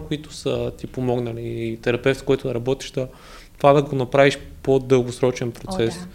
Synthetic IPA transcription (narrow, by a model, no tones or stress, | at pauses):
koit̪ʊ̥sət̪ipomɔɡnɐliːt̪ɛɾɐpɛft̪koɔit̪ʊd̪ɐɾɐbɔt̪i̥ʒd̪ɐ | t̪ovad̪ɐɡonɐpɾaviʃpod̪əlˠɡosɾɔt͡ʃɛnpɾot̪sɛs